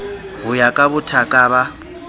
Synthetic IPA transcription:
ɦʊjakʼaβʊtʰakʼaːβa

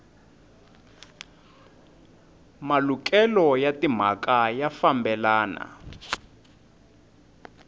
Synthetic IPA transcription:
malukɛlɔjatim̤akajafambɛlaːna̰

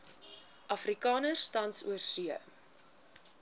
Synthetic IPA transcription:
ʔɐfrikɑːnərstɐnsṵərsyə

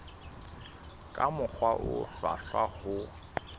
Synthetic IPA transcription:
kʼamʊk͡xʰwaʔʊ̰fa̰fahʊ

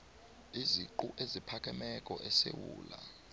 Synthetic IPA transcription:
iziǃuʔezipʰak̬ʼɛmɛkʼɔʔɛsewuːla

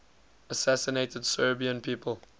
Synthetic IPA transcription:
əsæsɪneɪtədsɜːbiə̃npʰiːpʰəl

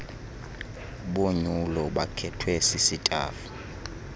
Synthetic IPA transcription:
ɓoɲulɔɓakʰɛtʰwɛsisitʼa̰ːfu̥

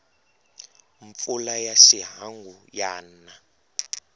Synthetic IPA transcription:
ɱp̪fulajaʃiɦaŋɡujaːna

